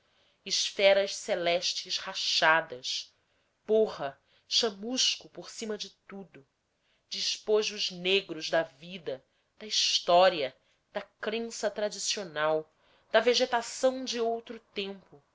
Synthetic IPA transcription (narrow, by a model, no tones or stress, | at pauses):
iʃfɛɾɐʃselɛʃt͡ʃɪʃhaʃad̪ɐs | pohɐ | ʃɐmuʃkʊpoɾsĩmɐd͡ʒɪt̪ud̪ʊ | d͡ʒiʃpoʒʊzneɡɾʊzd̪ɐvid̪ɐ | d̪̥ɐist̪ɔɾiɐ | d̪̥ɐkɾẽsɐt̪ɾad͡ʒisionaw | d̪̥ɐveʒet̪asɐ̃w̃d͡ʒɪowt̪ɾʊt̪ẽmpʊ